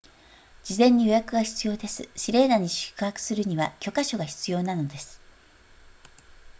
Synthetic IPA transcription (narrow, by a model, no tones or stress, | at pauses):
d͡ʑizẽ̞ɲ̟ːijo̞jakɯ̟ɡaçi̥t͡sɨjo̞ːd̪e̞sɨɕiɾe̞ːnaɲ̟iɕɨ̥kɯ̟hakɯ̟̥sɨɾɯ̟ɲ̟iβakʲo̞kaɕo̞ɡaçi̥t͡sɨjo̞ːnano̞d̪e̞sɨ̥